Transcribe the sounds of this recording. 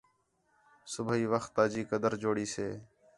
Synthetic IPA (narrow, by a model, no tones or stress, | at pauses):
sʊbʱiːʋəxt̪ːaːd͡ʒiːkəd̪əɾd͡ʒoːɽiːseː